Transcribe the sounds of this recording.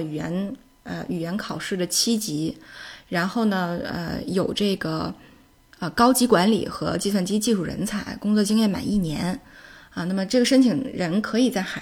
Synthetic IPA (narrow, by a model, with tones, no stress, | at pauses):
ɛ˧˥n | ə̰˧y˨˩ɥɛ˧˥nkʰɑ˨˩ʊʂɻ̩˥˩d̪ə˩t͡ɕʰi˥t͡ɕi˧˥ɻa˧˥nxo˥˩ʊnə˩ə̰˧jo˨˩ʊʈ͡ʂɤ˥˩ɡə˩ | ə˧kɑ˥ʊt͡ɕi˧˥kwa˧˥nlḭ˨˩xɤ˧˥t͡ɕi˥˧swa˥˩nt͡ɕi˥t͡ɕi˥˧ʂu˥˩ɻə̰˧˥nt͡sʰa˧˥ɪkʊ˥ŋt͡swɔ˥˩t͡ɕi˥ŋjɛ˥˩nma̰˨˩ni˥˩njɛ˧˥nə˧na˥˩mə˩ʈ͡ʂɤ˥˩ɡə˩ʂə˥nt͡ɕʰi˨˩ŋɻə˧˥nkʰɤ˧˥i˨˩t͡sa˥˩ɪxa˨˩